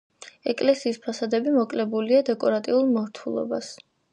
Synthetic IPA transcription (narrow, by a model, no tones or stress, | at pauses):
ɛkʼlɛsiːspʰasad̪ɛbimɔkʼlɛbuliad̪ɛkʼɔɾat̪ʼiulˠmɔɾt̪ʰulˠɔ̰bas